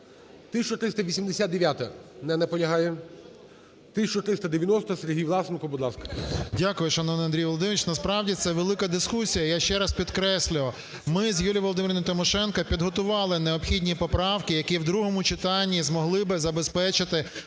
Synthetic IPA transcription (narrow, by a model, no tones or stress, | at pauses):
t̪ɪsʲt͡ʃɔt̪ɾɪst̪ɐʋʲisʲimd̪esʲat̪d̪eʋʲjat̪ɐnɛnɛpɔnʲɐɦɑjɛ | t̪ɪsʲt͡ʃɔt̪ɾɪst̪ɐd̪eʋʲjɐnɔst̪ɔseɾʲɦijʋlˠɑsnkʊbʊd̪lˠɑskɐ̥dʲakʊjʊʃɐnɔnɐnd̪ɾʲijʋɔlˠɔd̪ɪmʲɪt͡ʃnɐspɾɑwdʲit̪sɛʋelˠɪkɐd̪ɪskusʲijɐjaʃt͡ʃɛɾɐspʲid̪kɾɛsʲlʲʊʋ | mɪzʲjulʲijʋɔlˠɔd̪ɪɾenʊmʊt̪ɪmɔʃɛnkɐpʲid̪ɦɔt̪ʊʋɑlˠɪneɔpxʲidʲnʲipɔpɾɑwkɪjɐkiwd̪ɾuɦɔmʊt͡ʃɪt̪ɑnʲːizmɔɦlˠɪbɪzɐbespɛt͡ʃɪt̪ɪ